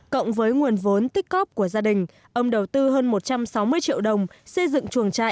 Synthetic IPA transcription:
kə̰˧˨wŋ͡mvəː˨˦jŋwi˨˩ənvo˨˦nt̪i˦˥k̚ɣɔ˦˥p̚ku˧˩əzaː˧ɗï˨˩ŋ̟ | ʔə˧wŋ͡mɗə˨˩wt̪ɨ˧ɦəː˧nmo˨˩t̚t͡ɕa˧msa˨˦wmɨ˧əjt͡ɕḭ˧˨əwɗə˨˩wŋ͡msə˧jzɨ̰˧˨ŋt͡ɕu˨˩əŋt͡ɕa̰ː˧˨

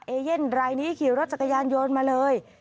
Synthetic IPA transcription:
ʔeː˧je˥˩nɾaː˧jniː˦˥kʰi˨˩˦wɾo˦˥t̪̚t͡ɕa˩kːa˧jaː˧njoː˧nmaː˧lɤː˧j

